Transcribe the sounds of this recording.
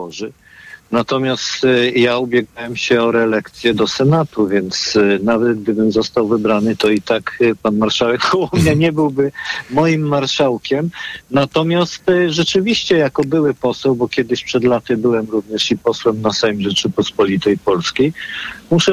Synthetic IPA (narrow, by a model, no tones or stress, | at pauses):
ɔʐɘ | nat̪ɔmʲjast̪jaubʲjɛɡawɛmɕɛɔɾɛlɛkt̪sʲjɛd̪ɔsɛnat̪uvʲjɛnt̪snavɛt̪ɡ̚d̪ɘbɘmzɔst̪awvɘbɾanɘt̪ɔit̪akpanmaɾʂawɛkpʰɔwɔmɲaɲɛbɘwbɘmɔjimːaɾʂawkʲɛmnat̪ɔmʲjast̪ʐɛt͡ʂɘvʲiɕt͡ɕɛjakɔbɘwɘpɔsɛwbɔkʲjɛd̪ɘɕpʂɛd̪lat̪ɘbɘwɛmɾuvɲɛʂipɔswɛmnasajmʐɛt͡ʂɘpɔspɔlʲit̪ɛjpɔlskʲejmuʂɛ